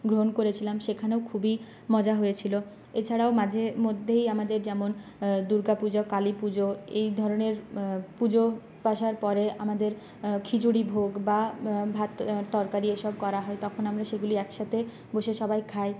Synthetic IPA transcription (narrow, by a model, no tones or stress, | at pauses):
ɡɾoɦonkoɾet͡ɕʰilamʃekʰaneokʰubi | mɔd͡ʑaɦojet͡ɕʰilo | et͡ɕʰaɽaomad͡ʑʱemod̪ʱːejamad̪eɾd͡ʑɛmond̪uɾɡapud͡ʑakalipud͡ʑoejd̪ʱɔɾoneɾpud͡ʑo | paʃaɾpɔɾeamad̪eɾ | kʰid͡ʑuɽibʱoɡbabʱat̪t̪ɔɾkaɾieʃɔb̚kɔɾaɦɔet̪ɔkʰonamɾaʃeɡuliɛkʃat̪ʰe | boʃeʃɔbajkʰae